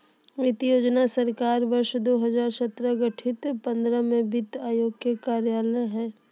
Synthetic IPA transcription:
ʋɪt̪ijoːd͡ʒnasəɾkaːɾʋɐɾʃd̪oːɦɐzaːɾsɐt̪ɾəɡəʈʰɪt̪pə̃nd̪ɾəmẽbɪt̪aːjoːɡjekaːɾjaːləɦɛ̃ː

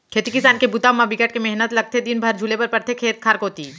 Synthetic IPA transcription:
kʰeːt̪ikɪsaːnkebʊt̪amabɪkəʈ̚kemɛɦnət̪lɐɡ̚t̪ʰed̪inbʱɐɾd͡ʒʱulepɐɾpɐɾt̪ʰekʰeːt̪̚kʰaːɾkoːt̪iː

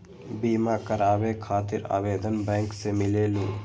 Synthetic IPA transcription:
biːmaːkɐɾaːʋeːkʰaːt̪iɾa̰ːʋeːd̪ɐnbeːŋksemileːlu

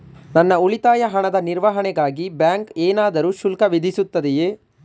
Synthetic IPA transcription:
nɐnːɐuɭit̪aːjɐɦɐɳɐd̪ɐniɾʋɐɦɐɳɛɡaːɡibjaːŋkeːnaːd̪ɐɾuːʃulkɐʋid̪ʱisut̪ːɐd̪ɛjeː

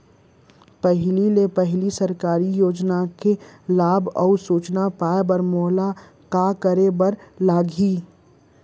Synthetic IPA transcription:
pəɦlilepəɦɪlisɐɾkaːɾijoːd͡ʒnakelaːbɔ̰ːsuːt͡ʃnapaːebəɾmoːla | kakəɾebɐɾlaːɡʱi

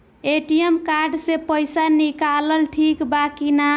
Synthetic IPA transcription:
eʈijemkaɾɖsẽpəjsanikaləlʈʰikbakina

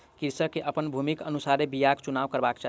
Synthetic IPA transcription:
kiɾsəkeʔəpənbʱumikənusaɾebijakt͡ʃunaʋkəɾbakt͡ʃa

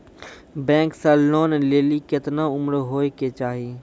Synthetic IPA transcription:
bɛ̃ːŋksɐlːoːnleːlikɪt̪naʊmɾɦoːeket͡ʃaːɦiː

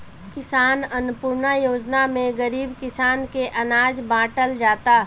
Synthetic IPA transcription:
kɪsaːnɐnʊpʊɾnajoːd͡ʒnamẽɡəɾiːbkɪsaːnkeʔɐnaːd͡ʒbãːʈəld͡ʒaːt̪aː

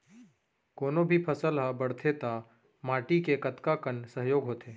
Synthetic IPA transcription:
koːnobʱipʰɐsəlɦabəɽ̤t̪ʰet̪a | maːʈikekɐt̪kakənsəɦjoːɡɦoːt̪ʰeː

